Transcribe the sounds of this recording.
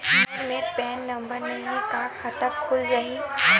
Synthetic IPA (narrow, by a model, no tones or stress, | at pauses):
ɾmẽpɛːnːɐ̃mbəɾnɐɦẽkaxɐt̪əɾkʊlɾɐɦiː